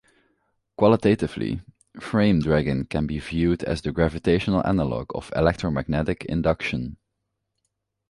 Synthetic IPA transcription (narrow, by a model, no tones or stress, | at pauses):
kwɑlˠətetɪvlḭ | fɹẽɪ̃mdɹæɡə̃nkɛ̃nbivjudæ̰zdəɡɹævɨteɪʃənəl̩ˠʔæ̰nəlɔ̰ɡɔ̰vɪ̰lɛk̚tɹomæɡ̚nɛtɪkʰɪ̰̃ndʌkʃə̃n